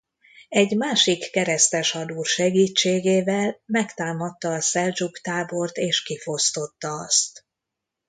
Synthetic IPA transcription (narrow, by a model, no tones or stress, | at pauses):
ɛɟmaːʃikːɛɾɛst̪ɛʃhɒd̪uːrʃɛɡiːt͡ʃːeːɡeːvɛlmɛkt̪aːmɒt̪ːɒːsɛld͡ʒukt̪aːbo̞rt̪eːʃkifo̞st̪o̞t̪ːɒɒst̪